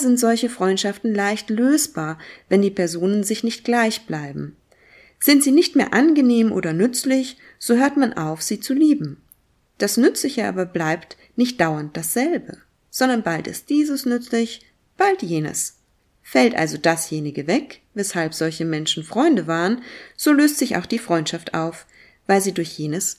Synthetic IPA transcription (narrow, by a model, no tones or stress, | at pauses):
zɪntz̥ɔlçəfʁ̥ɔʏntʃaftn̩laɪçtløːsb̥aːɐvɛndiːpʰɛɐzoːnənzɪçnɪçt̚ɡ̥laɪçb̥laɪbm̩ | z̥ɪntz̥iːnɪçtmeːɐʔanɡəneːmʔo̰ːdɐnʏt͡slɪç | z̥oːɦøːɐtmanʔa̰ʊfz̥iːt͡suliːbm̩ | d̥asnʏt͡slɪçəʔa̰ːbɐblaɪpt | nɪçt̚d̥aʊɐnt̚d̥asz̥ɛlbə | z̥ɔndɐnbaltɪ̰st̚d̥iːzəsnʏt͡slɪç | b̥altjeːnə̰s | fɛltʔa̰lzodasjeːnɪɡəvɛkvɛshalpz̥ɔlçəmɛnʃn̩fʁ̥ɔʏndəvaːʁənz̥oːløːstz̥ɪça̰ʊxd̥iːfʁ̥ɔʏntʃaftʔa̰ʊf | vaɪlziːdʊɐçjeːnəs